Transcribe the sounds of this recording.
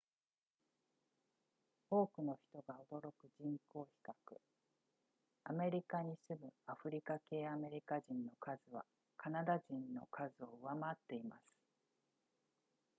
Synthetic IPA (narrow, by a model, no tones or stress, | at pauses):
o̞ːkɯ̟no̞çi̥t̪o̞ɡao̞d̪o̞ɾo̞kɯ̟ʑĩŋko̞ːçi̥kakɯ̟̰ | ame̞ɾʲikaɲ̟isɨbɯ̟aɸɯ̟ɾʲikake̞ːame̞ɾʲikaʑĩnːo̞kʰazɨβa̰ | kʰanad̪aʑĩnːo̞̰kʰazɨo̞ɯβamat̪ːe̞ima̰sɨ̥